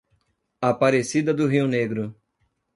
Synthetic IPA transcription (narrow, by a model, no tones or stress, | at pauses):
apaɾesid̪ɐd̪ʊɦiwneɡɾʊ